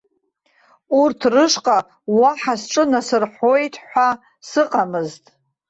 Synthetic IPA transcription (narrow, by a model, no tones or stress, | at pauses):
urtʰrɨʂqʼa | waħasʈ͡ʂʼɨnasɨrħojtʰħʷa | sɨqʼamɨztʼ